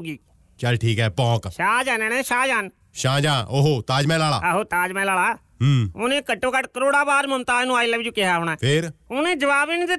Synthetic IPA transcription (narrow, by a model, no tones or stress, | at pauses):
ɡiː | t͡ʃəlʈʰiːkɦɛːbɔ̃ːkʃaːd͡ʒaːnẽːnẽːʃaːd͡ʒaːn | ʃãːd͡ʒãːʔoːɦoːt̪aːd͡ʒmɛ̃ːlaːla̰ːɦoːt̪aːd͡ʒmɛ̃ːlaːlaː | ɦoːnẽːkəʈːõːkəʈkəɾoːɽaːbaːɾməmt̪aːnũaːɪləːʋɪd͡ʒʊkɪɦaːɦoːɽ̃aːpʰɪɾoːnẽːd͡ʒəʋaːbiːnːt̪e